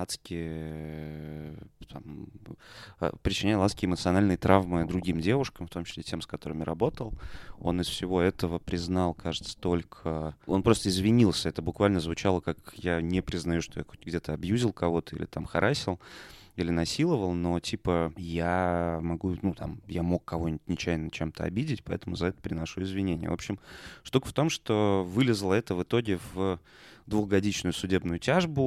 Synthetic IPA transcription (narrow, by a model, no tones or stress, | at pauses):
at̪skʲɪə | t̪ʰam | pɾʲɪt͡ɕːɪnʲæjlˠat̪skʲɪɪmət̪sɨɐnalʲnɨjt̪ɾavmɨd̪ɾʊɡʲimdʲe̞vʊʂkəmft̪o̞mt͡ɕɪ̥slʲetʲe̞mskɐt̪o̞ɾɨmɾɐbo̞t̪əlˠo̞nɪsfsʲɪvo̞ɛt̪əvəpɾʲɪznɑlˠkʰaʐɨt̪sə̥t̪o̞lʲkʰəo̞npɾo̞st̪əɪzvʲɪnʲilˠsʲəɛt̪əbʊkvalʲnəzvʊt͡ɕalˠəkakjanʲɪpɾʲɪznɐjuʂt̪oja̰xotʲɡdʲe̞t̪əɐbjuzʲɪlˠkɐvo̞t̪ə̥ḭlʲɪt̪amxɐ̰ɾʔasʲɪlˠ | ilʲɪnɐsʲilˠəvəlˠno̞tʲipəjamɐɡunut̪a̰mjamo̞kːɐvo̞nʲɪtʲnʲɪt͡ɕæjnət͡ɕemt̪ʰəɐ̰bʲidʲɪtʲpɐɛt̪əmʊzɐɛt̪ə̥pɾʲɪnɐʂuɪzvʲɪnʲenʲɪjə̰vo̞pɕɪmʂt̪ukəft̪o̞mʂt̪o̞vɨlʲɪzlˠəɛt̪əvɨt̪o̞ɡʲɪv | d̪vʊɣɡɐdʲit͡ɕnʊjʊsʊdʲe̞bnʊjʊtʲaʐbʊ